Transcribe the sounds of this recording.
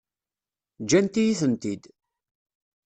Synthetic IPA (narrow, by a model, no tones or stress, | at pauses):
d͡ʒænt̪ijiθənt̪id̪